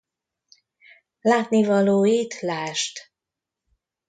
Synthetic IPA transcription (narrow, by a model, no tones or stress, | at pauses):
laːt̪nivɒloːjit̪laːʃt̪